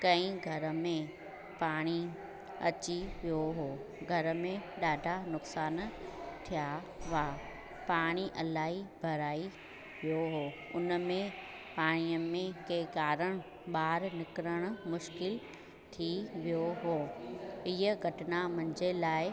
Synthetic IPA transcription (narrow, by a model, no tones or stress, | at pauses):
kɐ̃ĩɡʱɐɾə̆mẽ | paːɽ̃i | ɐ̰t͡ɕiʋijoɦoː | ɡʱɐɾmẽɗaːɖʱanʊksaːnt̪ʰija | ʋa | paːɽ̃iʔɐlaːɦibʱɐɾaːi | ʋijoɦoːʊnmẽ | paːɽ̃ijəmẽkekaːɾəɽ̃ | ɓaːɾnɪkɾəɽ̃ʊ̆mʊʃkɪl | t̪ʰiʋijoɦoːɪɦəɡʱɐʈɪnamɐnɪd͡ʑelaːɪ